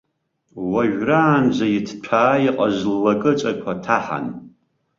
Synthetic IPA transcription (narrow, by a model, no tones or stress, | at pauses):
waʒᶣraːnd͡ʒʷajitʰtʷʰaːjiqʼaʒʷlːakʼɨt͡ʃʷʼakʷʰatʰaħa̰n